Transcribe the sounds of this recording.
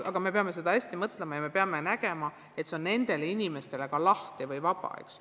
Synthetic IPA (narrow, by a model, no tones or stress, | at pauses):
ɑɡ̥ɑme̞pe̞ɑme̞se̞d̪ɑæsʲt̪imɤt̪ˑlemɑjɑme̞pe̞ɑme̞næɡ̥e̞mɑ | e̞t̪se̞o̞nne̞nd̪̥e̞leinʲime̞st̪e̞le̞kɑlɑht̪ivɯjvɑb̥ɑ̰ḛks